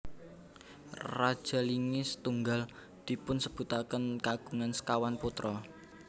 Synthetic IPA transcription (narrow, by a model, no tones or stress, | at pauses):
rad̥ʒ̥a̤liŋɪsə̥t̪uŋɡal | d̪̥i̤pʊnsəb̥ṳt̪akənkaɡ̥ṳŋansə̥kawanput̪ɾɔ